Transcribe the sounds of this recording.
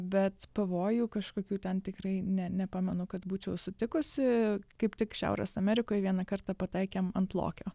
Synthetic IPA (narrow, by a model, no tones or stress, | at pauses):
bʲɛt̪pɐʋoːjuːkɐʃkoːkʲuːt̪ʲɛnt̪ʲɪkrɐɪnʲɛnʲɛpɑːmʲɛnʊkɐt̪buːt͡ʃʲɛʊsʊt̪ʲɪkʊsʲɪkɐɪpt̪ʲɪkʃʲæ̰ʊɾʲɛ̰sɐmʲɛɾʲɪkoːjʋʲiɛnɐkɐrt̪ɑpɐt̪ɐɪkʲemɐnt̪lˠo̰ːkʲoː